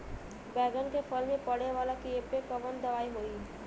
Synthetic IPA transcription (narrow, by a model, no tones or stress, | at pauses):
bɛːɡənkepʰəlmẽpəɽeʋaːlakiepekəʋənd̪əʋaːiɦoi